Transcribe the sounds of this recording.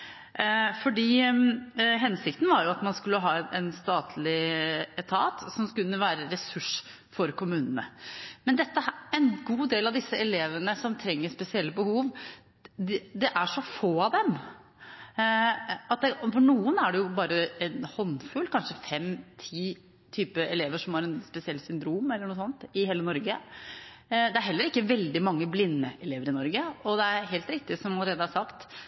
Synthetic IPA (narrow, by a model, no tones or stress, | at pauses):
fɔɖiː | ɦɛnsɪkt̪n̩ʋɑɾjʊɑt̪mɑnskʉlːəɦɑːɛnʔɛnst̪ɑːt̪ʰlɪɛt̪ʰɑːt̪sɔmskʉnːəʋæːɾəɾɛsʉʂ | fɔɾkʊmʉːnənə̰mɛnd̪ɛt̪ːəɛnɡuːd̪eːlɑʋd̪ɪsːəɛleːʋənəsɔmt̪ʰɾɛŋːəspɛsɪɛlːəbəhuːʋ̪ | ɛd̪ɛʔæʂɔfoːɑd̪ɛm | ɑt̪̚d̪ɛfɔɳuːənæɖɛjʊbɑːɾəɛnhɔnfʉlːkʰɑnʂəfɛmt̪ʰiː | t̪ʰyːpəɛleːʋəʂɔmhɑɾɛnspɛsɪɛlːsʏnd̪ɾuːmɛlːəɳuːsɔnt̪ɪɦeːlənɔɾɡə | d̪ɛæɾɦɛlːəɾɪkːəʋɛld̪ɪmɑŋːəblɪnːəʔɛleːʋəɾɪnɔɾɡəɔd̪ɛæɾɦeːlt̪ɾɪk̚t̪ɪsɔmɑləɾeːd̪əæsɑkt̪